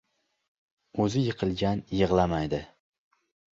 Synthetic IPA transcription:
ɵzɪjɨqʰɨlˠɡʲanjɨʁlˠamajd̪ɪ

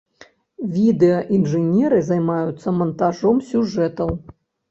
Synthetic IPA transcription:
vʲid̪ɛɐʔinʐɨnʲɛɾɨzajmajut̪sːɐmɐnt̪aʐɔmsʲuʐɛt̪ɐw

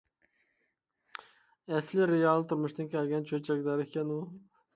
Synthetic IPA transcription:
æslɪɾejɑlˠt̪ʰʊɾmʊʃt̪ɪnkʲʰɛlɡʲɛnt͡ʃʰɵt͡ʃʰɛkʲlæɾekʲɛnʊ

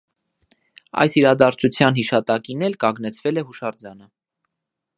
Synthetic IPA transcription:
ɑ̰jsiɾɑd̪ɑɾt͡sʰut͡sʰjɑnɦiʃɑt̪ɑkinɛlkɑŋɡnɛt͡sʰvɛlɛɦuʃɑɾd͡zɑnə

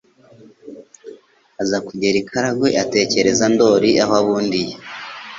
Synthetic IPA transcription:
azakuɟeɾikʰaɾaɡweʔate̞ce̞ɾe̞zando̞ɾiʔaɦaβuːndije

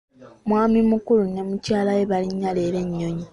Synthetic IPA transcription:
mwaːmimukulunːemucaːlajeβaliɲːale̞ːɾe̞ɲːo̞ɲi

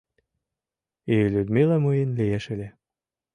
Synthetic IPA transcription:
ilʲud̪milɑmɯjenlieʃelʲe

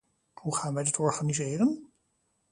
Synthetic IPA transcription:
huχaːnʋɛjdɑtʰɔɹχaːnizɪːrən

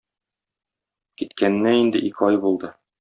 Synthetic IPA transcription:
kit̪kʰænːæind̪ɘʔikɒjbulˠd̪ɤ

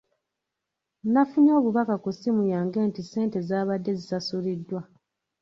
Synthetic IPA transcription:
nafuɲo̞ːβuβakakusimujaːŋɡe̞ːntise̞ːnte̞zaːβadːe̞zisasulidːwa

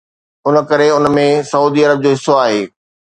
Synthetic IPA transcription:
ʊnə̆kɐɾeʊnmẽsɐuːd̪iɐɾəb̚d͡ʑoːɦɪsːoaːɦeː

